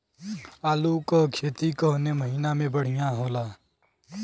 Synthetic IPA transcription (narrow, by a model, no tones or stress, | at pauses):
aːluːkokʰeːt̪iːkəɦneːməɦiːnamẽːbəɽ̤ijãːɦoːlaː